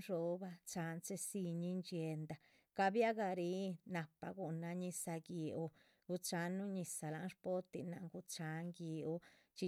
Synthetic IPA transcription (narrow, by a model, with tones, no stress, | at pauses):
ʐo˧˦ba˧t͡ʃa˨˦nt͡se˧si˧ɲi˧nt͡ʃe˧nd̪a˧ | ka˧bja˦ɡa˧ɾi˧˦na˨pa˧ɡu˨na˧ɲi˧sa˧ɡi˨ʔo˧ | ɡu˧t͡ʃa˧nu˦ɲi˧sa˨la˧˦nʂpo˦t̪ḭ˧na˧ŋɡu˧t͡ʃa˨˦ŋɡi˨˧o˧t͡ʃi˧